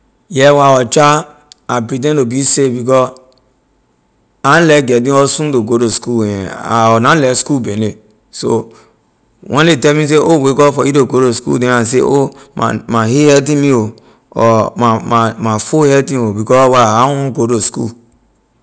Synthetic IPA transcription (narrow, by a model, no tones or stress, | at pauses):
jɛwaɔt͡ʃa | abɾidẽndobisebikɔ | an̩lɛɡɛdĩosũndoɡodoskuaɔnalɛskubene | so̰ | wʔɛ̃letɛmĩs̬eowekɔfɔidoɡoɾoskṵdẽas̬ḛoa̰mahehɛt̬ĩmio | ɔ̰mamamafohɛltĩobikɔwaaũɡodoskṵ